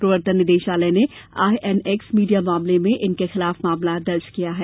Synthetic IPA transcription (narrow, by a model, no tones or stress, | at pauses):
pɾɐʋəɾt̪ənːɪd̪eːʃaːləneaːjʔɛnɛksmiːɖijamaːmlemẽʔɪnkexɪlaːfmaːmlad̪ɐɾd͡ʒkijaɦɛː